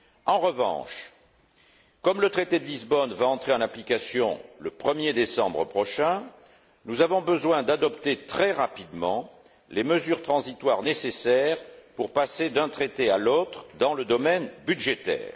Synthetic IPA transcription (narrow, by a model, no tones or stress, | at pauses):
ɑ̃ʁəvɑ̰̃ʃ | kɔmlət̪χet̪ed̪əlizbɔnvaɑ̃t̪χeɑ̃naplikasjɔ̰̃ləpχəmjed̪esɑ̰̃bʁəpχɔʃɛ̃ | nuzavɔ̃bəzwɛ̃d̪ad̪ɔpt̪et̪χɛʁapid̪mɑ̰̃ | leməzyʁt̪χɑ̃zit̪waʁnesesɛʁpuʁpased̪ɛ̃t̪χet̪ealot̪χd̪ɑ̃ləd̪ɔmɛnbyd̪ʒet̪ɛ̰ːʁ